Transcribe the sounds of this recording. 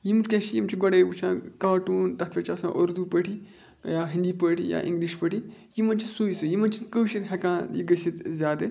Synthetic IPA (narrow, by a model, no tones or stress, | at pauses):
jimuɾkʲɛ̃ːʃijimt͡ʃʰiɡɔɽebut͡ʃʰãːkaːʈuːnt̪ɐt̪ʰʋet͡ʃʰɐsã̰ːʔoɾd̪upəʈʰi | jaːɦĩnd̪iːpəʈʰija̰ːʔḭ̃ŋɡliʃpəʈʰijimɐnt͡ʃʰisuisɨjimɐnt͡ʃʰinkəːʃit̪ɦekãːnjḭɡəsit̪zʲaːd̪ɨ